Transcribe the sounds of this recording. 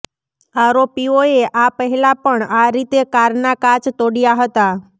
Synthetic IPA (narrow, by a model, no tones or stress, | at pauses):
aɾopioeʔapəɦɛlapəɳaɾit̪ekaɾnakat͡ʃt̪oɽijaɦət̪a